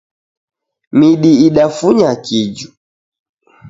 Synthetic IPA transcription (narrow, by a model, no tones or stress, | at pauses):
miɗiiɗafuɲakid͡ʒu